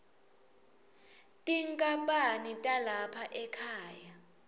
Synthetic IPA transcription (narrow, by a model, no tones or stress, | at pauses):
tʼiŋkʼapʼanitʼalapʰaʔɛkʰaːja